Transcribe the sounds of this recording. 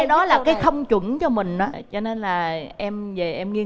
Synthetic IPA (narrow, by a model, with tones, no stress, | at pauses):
jɗɔ˨˦laː˨˩kaː˨˦jxə˧wŋ͡mt͡ɕwə˧˩nt͡ɕɔ˧mï˨˩ŋ̟ʔɔː˨˦t͡ɕɔ˧ne˧nlaː˨˩ʔɛ˧mve˨˩ʔɛ˧mŋi˧ə